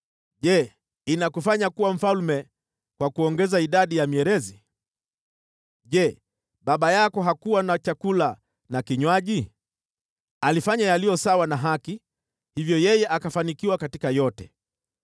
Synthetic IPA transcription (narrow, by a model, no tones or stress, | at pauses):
ʄɛ | inakufaɲakuwam̩falmɛ | kwakuɔŋɡɛzaiɗaɗijamiɛɾɛzi | ʄɛ | ɓaɓajakɔɦakuwanat͡ʃakula | nakiɲwaʄi | alifaɲajalijɔsawanaɦaki | hivjɔjɛjɛʔakafanikiwakatikajɔtɛ